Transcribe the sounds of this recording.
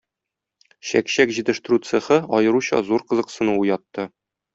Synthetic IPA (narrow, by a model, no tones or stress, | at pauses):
ɕæ̰kɕækʑit̪ɘ̆ʃt̪ɘ̆ɾut̪seχɤɒjɤ̆ɾuɕɑ̰zuɾqɤ̆zɤ̆qsɤ̆nuwujɒt̪ːɤ